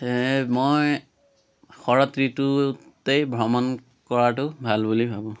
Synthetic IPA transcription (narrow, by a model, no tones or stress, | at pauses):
mɔj | xɔɹɔtɹitʊtejbʱɔmɔn | kɔɹat̬ʊbʱalbulibʱabɔ̃